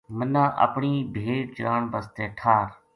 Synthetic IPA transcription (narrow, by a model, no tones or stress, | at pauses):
mənãːʔə̰pɳiːbʱeːʈ̚d͡ʒɾaːɳbəst̪eːʈʰaːɾ